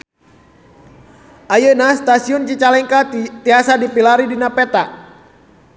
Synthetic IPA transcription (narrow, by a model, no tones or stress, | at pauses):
ʔajənast̪asiɔnt͡ʃit͡ʃalɛŋkat̪iasadipilaɾidinapɛt̪a